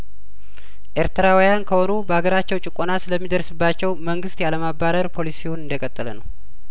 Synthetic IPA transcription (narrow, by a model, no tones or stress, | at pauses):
ʔe̞ɾt̪ɨɾawijankʰəho̞nubəhaɡəɾat͡ʃːɛwt͡ʃʼɪkʼonasɨləmːid̪əɾsɨbːat͡ʃːɛwməŋɡɨst̪jaləmabːaɾəɾpʰo̞lisihunɨnd̪əkʼət̪ʼːələnəw